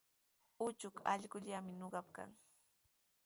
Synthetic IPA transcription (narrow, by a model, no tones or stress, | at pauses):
ʊt͡ʃʊka̰ʎɢʊʎamɪnoɢɑp̚ka̰ŋ